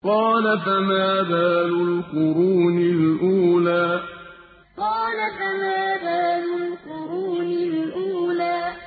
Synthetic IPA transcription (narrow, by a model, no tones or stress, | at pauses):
qɑːlafamaːbaːlʊlqʊɾuːnɪlʔuːlaː | qɑːlafamaːbaːlʊlqʊɾuːnɪlʔuːlaː